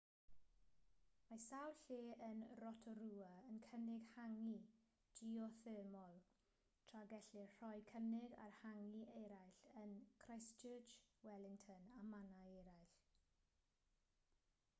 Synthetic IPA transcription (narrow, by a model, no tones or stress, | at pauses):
masawlɬeːənrɔtʰɔɾuːəənkʰənɪɡ̥haŋi | d̥iɔθɪːmɔlˠ | tʰr̥aɡɛɬɪr̥ɔjkʰənɪɡa̰rhaŋiʔeɾajɬənkʰrajst͡ʃʰəːt͡ʃwɛlˠɪŋtʰənamanaejɾajɬ